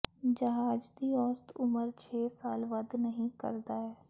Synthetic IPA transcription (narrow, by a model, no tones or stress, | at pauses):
d͡ʒɐɦaːd͡ʒd̪iɔːst̪ʊməɾt͡ʃʰeːsaːlʋɐd̪nəɦĩkə̰ɾd̪aɦɛː